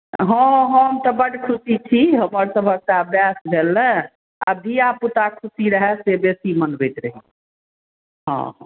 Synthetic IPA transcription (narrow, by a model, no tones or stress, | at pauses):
ɦə̃ɦə̃mt̪ɔbəɖʱkʰusit͡ʃʰiɦəməɾsəbʱək̚seəbjasbʱelːɛ̃ | a̰bʱiaput̪akʰusiɾəɦɛsebesimənbejt̪ɾəɦḭ̃ | ɦɔ̰̃ɦ